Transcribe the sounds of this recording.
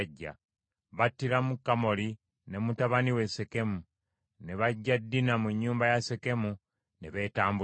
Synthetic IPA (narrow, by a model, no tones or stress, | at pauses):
ɟːa̰ | βatːiɾamukːamo̞li | ne̞mutaβaniwe̞se̞ke̞mu | ne̞βaɟːadːinamuɲːuːmbajase̞ke̞mu | neβe̞ːtaːmbu